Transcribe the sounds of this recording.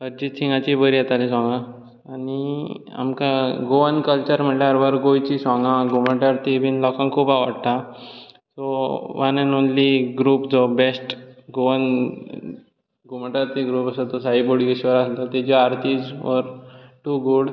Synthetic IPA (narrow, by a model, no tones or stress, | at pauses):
əɾd͡ʑiːsiŋɡat͡ɕibəɾijet̪alesɔ̃ŋɡã | ania̰mkaɡoʋənkəlt͡ɕəɾm̤əɳʈljaɾʋəɾɡojt͡ɕisɔ̃ŋɡãɡuməɳʈaɾt̪ibʱiːnlɔkãŋkʰuːpaʋəɽt̪a | sɔʋanənonliɡɾuːpd͡zɔbesʈɡoən | ɡuməɳʈaɾt̪iɡɾupəsat̪ɔsaiboɽɡiɕʋəɾalt̪at̪ad͡ʑiaɾt̪id͡zʋəɾʈuːɡuɽ